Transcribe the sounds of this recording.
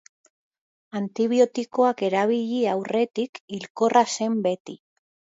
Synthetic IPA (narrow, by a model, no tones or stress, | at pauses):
ant̪iβ̞io̞t̪iko̞ake̞ɾaβ̞iʎiawre̞t̪ikilko̞rase̞mbe̞t̪i